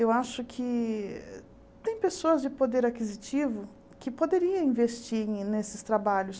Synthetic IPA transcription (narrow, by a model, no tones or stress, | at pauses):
ewaʃʊkʰɪ | t̪ẽj̃pesoɐzd͡ʒɪpod̪eɾakizit͡ʃivʊ | kɪpod̪eɾiɐ̃ĩvest͡ʃiɾnesɪst̪ɾabaʎʊs